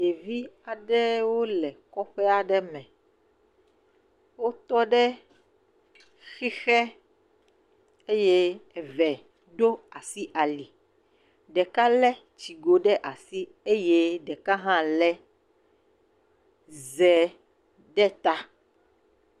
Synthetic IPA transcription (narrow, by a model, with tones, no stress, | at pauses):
e˨vi˦a˨ɖɛ˦wo˦lɛ˨kɔ˦ɸɛ˦a˨ɖɛ˦mɛ̃˨ | wo˦t̪ɔ˦ɖɛ˦ | xi˦xɛ˦ | e˦je˦ɛ˨vɛ˨ | ɖo˦a˨si˦ʔa˨li˨ | ɖɛ˨ka˦lɛ˦ | t͡ʃi˨ɡo˨ɖɛ˦ʔa˨si˦ | e˦je˦ɖɛ˨ka˦ɦã˦lɛ˦ | zɛ˨ | ɖɛ˦t̪a˦